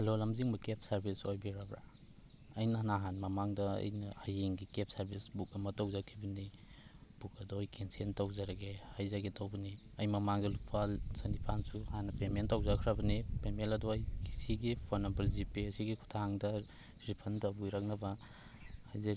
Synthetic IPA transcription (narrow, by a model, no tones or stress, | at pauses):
hɐlolɐmziŋmɐkep̚sɐɾbisojbiɾabɾa̰ | ɐjnɐɦanɐɦanmɐmaŋdɐɐ̰jnɐhajeŋɡikep̚sɐɾbʱisbuk̚ɐmɐtɐwzakʰːibɐni | b̥ukɐdɔjkensentɐwzaɾɐɡehajzaɡetowbɐni | ɐjmɐmaŋɡilupʰalsɐnipʰansuhanːɐpementɐwzakʰɾɐbɐnipemelɐdɔɐjkʰisiɡipʰonːɐmbɐɾzipiɐsiɡikʰu̥tʰaŋdɐ | ɾipʰɐntɐbujɾɐk̚nɐbɐ | hajza